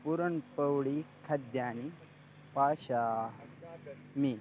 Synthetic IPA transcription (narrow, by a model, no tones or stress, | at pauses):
puɾɐɳpəwɽikʰɐd̪jaːni | paːɕaː | mi